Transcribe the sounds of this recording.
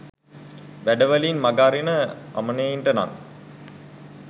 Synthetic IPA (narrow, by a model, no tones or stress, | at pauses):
ʋæɖəʋəlinmaɡaːɾinəa̰məneiɳɖəna̰ŋ